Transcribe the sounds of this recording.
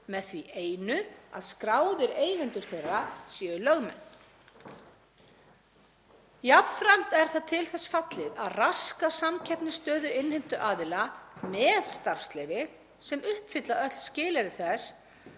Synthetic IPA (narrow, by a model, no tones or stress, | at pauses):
mɛðθviʔeːjnʏa̰ðskɾaːwðɪɾeːjɣɛnt̪ʏɾ̥θejrːasjɛːʏlœɣmɛ̰nː | japnfɾam̥t̪ɛɾ̥θaðt̪ʰɪlθɛsfat̪lɪðaðraskasamcʰɛhpnɪst̪œːðʏɪnhejm̥t̪ʏʔaːðɪlamɛðst̪aɾ̥fst̪lɛjvɪ | sɛmʏhpfɪt̪laœt̪l̥scɪːlɛɾɪθɛs